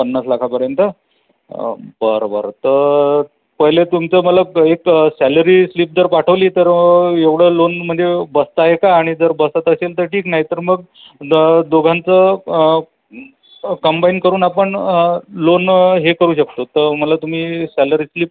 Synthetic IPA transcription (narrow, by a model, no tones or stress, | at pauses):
pənːaslakʰapəɾjənt̪ə | bəɾbə̰ɾt̪əɾ | pəɦjlet̪umt͡səːməlaeksæləɾiːsliːp̚d͡zəɾpaʈʰəʋliːt̪əɾeʋɽ̤əlonm̤əɳd͡zebəst̪aɦekaːɽ̃id͡zəɾbəsat̪əselt̪əɾʈʰiːknaɦit̪əɾməɡ | d̪oɡʱãnt͡sə | kəmbainkəɾuːnapəɳlonɦekəɾuːɕək̚t̪ot̪əɾməlat̪um̤iːsæləɾiːsliːp̚